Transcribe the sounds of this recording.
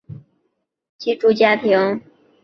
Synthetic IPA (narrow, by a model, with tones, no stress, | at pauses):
t͡ɕi˥ʈ͡ʂu˥t͡ɕja˥t̪ʰi˧˥ŋ